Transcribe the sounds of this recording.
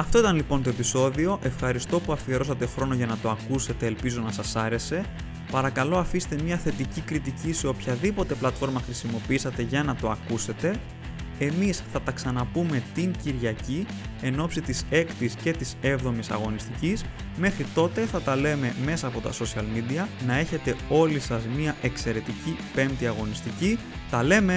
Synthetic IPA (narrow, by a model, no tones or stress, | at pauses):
ɐft̪o̞it̪ɐnlipo̞nt̪o̞e̞piso̞ðio̞ʔe̞fxɐɾist̪o̞puɐfieɾo̞sɐt̪e̞xɾo̞no̞ʝɐnɐt̪o̞ɐkuse̞t̪e̞ːlpizo̞nɐsɐsɐɾe̞se̞ | pɐɾɐkɐlo̞ɐfist̪e̞mɲɐθe̞t̪icikɾit̪icise̞o̞pçɐðipo̞t̪e̞plɐt̪fo̞ɾmɐxɾisimo̞piisɐt̪e̞ʝɐnɐt̪o̞ɐkuse̞t̪e̞ | emisθɐt̪ɐksɐnɐpume̞t̪iɲciɾʝɐci | e̞no̞psit̪ise̞kt̪isce̞t̪ise̞vðo̞misɐ̰ɣo̞nist̪icis | me̞xɾit̪o̞t̪e̞θɐt̪ɐle̞me̞me̞sɐːpo̞t̪ɐ̰so̞siɐlmid̪iɐnɐe̞çe̞t̪e̞o̞lisɐzmiɐʔe̞kse̞ɾe̞t̪icipe̞nt̪iɐɣo̞nist̪ici | t̪ɐle̞me